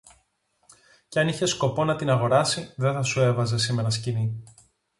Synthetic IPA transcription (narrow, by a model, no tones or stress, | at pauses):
ceɐniçe̞sko̞po̞nɐt̪inɐɣo̞ɾɐsiðe̞θɐsue̞vɐze̞sime̞ɾɐscini